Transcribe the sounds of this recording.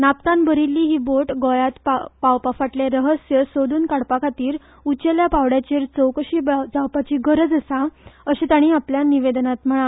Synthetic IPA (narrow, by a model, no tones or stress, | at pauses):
napt̪anbəɾilːiːɦiːboʈɡɔjat̪papawpafaʈleɾəɦəsjəsod̪uːnkaɽpakʰat̪iːɾ | ut͡ɕeljapawɽjat͡ɕeːɾt͡səwkəɕiːbd͡zawpat͡ɕiːɡʱəɾəd͡zəsaəɕit̪aɽ̃iapljaniʋed̪nat̪m̤əɭ̃a